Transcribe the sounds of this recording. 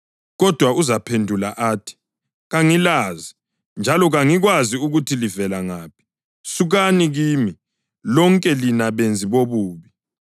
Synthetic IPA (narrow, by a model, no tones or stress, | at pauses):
ɣɔd̥ʱwauzapʰendʱulaʔaːtʰi̥ | ɣaŋilaːzi | nd͡ʒʱalɔɣaŋiɣwaziuɣutʰilivɛlaŋaːp̚ʰi̥ | suɣaniɣiːmi | lɔŋkʼɛlinaβend͡zʱiβoβuːβi